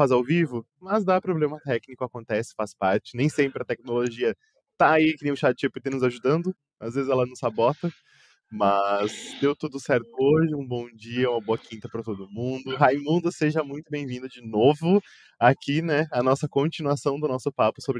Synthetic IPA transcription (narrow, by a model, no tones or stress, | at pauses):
fazawvivʊ | mɐzd̪apɾoblẽmɐt̪ɛknikʊakõnt̪ɛsɪ̥faspaɾt͡ʃɪnẽj̃sẽmpɾɪɐt̪ɛk̚noloʒiɐ | t̪aːikɪɾĩʊ̃ʃadɪt͡ʃepʊɪt̪enʊzaʒud̪ɐ̃nd̪ʊ | azvezɪzɛlɐnʊ̃zabɔt̪ɐ | mɐzd̪ewt̪ud̪ʊsɛɾt̪ʊoʒɪũbõw̃d͡ʒiɐũmɐboɐkʰĩnt̪ɐpɾɐt̪od̪ʊmũd̪ʊɦajmũnd̪ɐseʒɐmũj̃t̪ʊbẽj̃vĩnd̪ʊd͡ʒɪnovʊ | akinɛɐnɔsɐkõt͡ʃinuasɐ̃w̃d̪ʊnɔsʊpapʊ̥sobɾ